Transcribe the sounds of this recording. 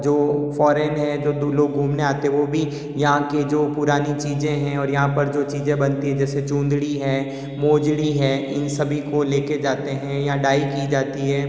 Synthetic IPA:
d͡ʒoːfɔːɾɛnɦɛd͡ʒoːd̪uloːɡ̚ɡʱuːmneaːt̪eɦɛ̃ʋobʱi | jɐɦãked͡ʒoːpʊɾaːnit͡ʃiːzẽɦɛ̃ɔːɾjɐɦãpɐɾd͡ʒoːt͡ʃiːzẽbɐnt̪iɦɛ̃d͡ʒɛːset͡ʃũːnd̪ɽiɦɛː | moːd͡ʒɽiɦɛːɪnsɐbʱikoleːked͡ʒaːt̪eɦɛ̃jãɖaːikid͡ʒaːt̪iɦɛː

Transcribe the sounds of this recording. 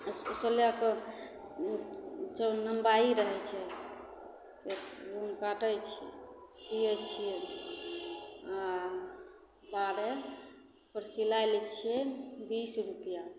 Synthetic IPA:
soljak | t͡ʃənəmbaiɾəɦɛt͡ʃʰɛ | keɾuŋkaʈəjt͡ʃʰḭsijət͡ʃʰijɛ | a | baɾe | pəɾsilajlɛt͡ʃʰijɛbisɾupja

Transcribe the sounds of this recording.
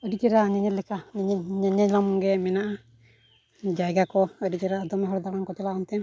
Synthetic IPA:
ədit͡ʃɛɾaɲɛɲɛt̪lɛkanɛɲɛɲɛɲɛɲlamɔŋɡɛmɛnaʔa | d͡ʒajɡakɔədit͡ʃɛɾaːd̪ɔmɛɦɔɾd̪aɾankɔt͡ʃɛlaʔɔnt̪ɛm

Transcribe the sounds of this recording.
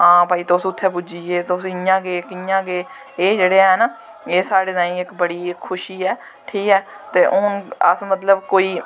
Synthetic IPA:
ãːpaːiːt̪oʊsʊt̪ʰːeːp̬ʊd͡ʒiːeːt̪osɪjãːɡeːkɪjãːɡeː | eːd͡ʒeːɽeːɦɛːna | eːsaːɽeːnãːĩːɪkbəɽiːkʰːʊʃiːɛː | ʈʰiːkɛː | t̪eːʔʊnəsmət̪ləbkoːiː

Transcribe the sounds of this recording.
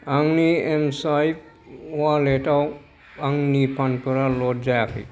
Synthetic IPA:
aŋniemsajp | waleʈaw | aŋnipʰanpɔɾalɔtd͡ʒajakʰḭ

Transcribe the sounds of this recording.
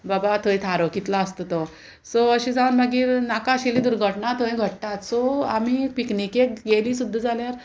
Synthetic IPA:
babat̪ʰojt̪ʰaɾɔkit̪laəst̪ət̪ɔ | sɔəɕid͡zaunməɡiːɾnakaɕilid̪uɾɡʱəʈɳat̪ʰojɡʱəɽ̚t̪at̪sɔa̰miek̚piknikek̚ɡeliːsud̪ʱːəd͡zaljaɾ

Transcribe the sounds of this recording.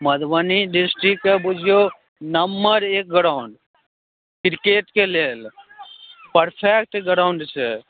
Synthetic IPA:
mɐd̪ʋəniɖɪsʈɾikːebud͡ʒʱjo | nəmːəɾeːk̚ɡəɾaʊɳɖ | kɾɪkeːʈkeleːl | pəɾpʰek̚ʈɡəɾaʊɳɖt͡ʃʰe

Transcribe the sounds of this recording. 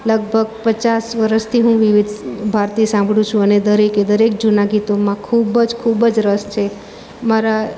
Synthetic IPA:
ləɡ̚bʱəɡ̚pət͡ʃasʋəɾəst̪ʰiɦũʋiʋɪd̪bʱaɾt̪isãmbʱɽũt͡ʃʰũəned̪əɾeked̪əɾek̚d͡ʒunaɡit̪omãkʰubəd͡ʒkʰubd͡ʒɾəst͡ʃʰe | maɾa

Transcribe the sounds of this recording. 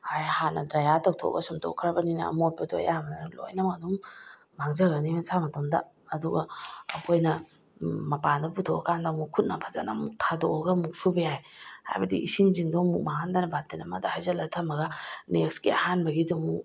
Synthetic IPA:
hajhanɐdɾajatʰak̚tʰɔ̰ɡɐsumtʰɔ̰kʰɾɐbɐninɐ̰ːmot̚pɐdo̰jamnadlo̰jnɐmɐdumː | aŋzɐɡɐnimɐsamɐtomdɐː | duɡɐːpʰojnɐ | mɐpandɐputʰɔakandamukʰut̚napʰaza̰na̰muk̚tʰadoɡɐmuk̚subɐjajha̰jbɐdḭʔisiŋziŋdoŋmuk̚mahandanabatenɐmadahajzɐlɐtʰɐmɐɡɐnek̚sɡiɐhanbɐɡidɔmu

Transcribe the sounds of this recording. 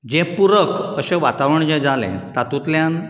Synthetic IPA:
d͡ʑepuɾəkəɕeʋat̪aʋəɳd͡ʑẽd͡zalḛ̃t̪at̪ut̪ljãn

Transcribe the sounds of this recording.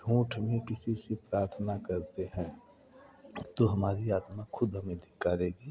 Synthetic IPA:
ɖʱũːʈʰmẽkɪsisepɾaːɾt̪ʰənakəɾt̪eɦɛ̃ː | t̪oɦɐmaːɾiaːt̪makʰʊd̪ʱɦəmẽd̪ʱɪkːaɾeːɡiː

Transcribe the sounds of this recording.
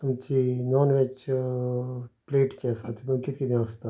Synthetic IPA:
t̪umt͡ʃinɔːnʋet͡ʃ | pleːʈt͡ʃɛsat̪ʰimumkit̪kid̪iɐst̪a

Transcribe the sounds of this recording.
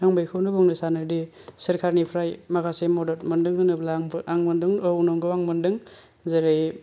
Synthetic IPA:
aŋbajkʰɯwnɯbuŋnɯsanɯɾdi | sɯɾkʰaɾnipʰɾajmaɡasemɔdɔt̚mɯndɯŋhʰɯnɯblaŋbaŋmɯndɯŋɯwnɔŋɡɯwaŋmɯndɯŋ | zeɾɯj

